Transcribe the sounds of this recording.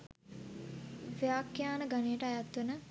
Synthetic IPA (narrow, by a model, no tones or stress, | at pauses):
ʋjaːkːjaːnəɡanejəʈəajat̪ːunə